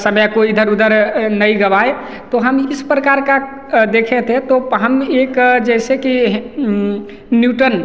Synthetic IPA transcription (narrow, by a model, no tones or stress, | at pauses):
səmjakoid̪ʱəɾud̪əɾnəiɡəbae | t̪oɦəmɪspɾəkaɾka | d̪ekʰet̪ɦẽt̪oɦəmekd͡ʒɛɪsekiɦ | njuʈən